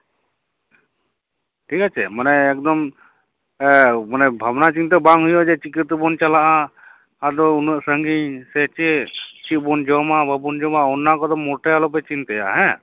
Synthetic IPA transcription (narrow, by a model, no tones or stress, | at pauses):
ʈʰikat͡ʃʰɛ̰manɛːk̚d̪ɔm | manɛbʱabnat͡ʃint̪ɛbaŋɦujɔd͡ʒɛt͡ʃikit̪bɔnt͡ʃalaʔaː | d̪ɔunɛʔsəŋɡisɛt͡ʃɛt͡ʃit̪̚bɔnd͡ʒɔmababɔnd͡ʒɔmaɔnːakɔd̪ɔmːɔʈɛjalɔp̬ɛt͡ʃint̪ɛja̰ɦɛ̃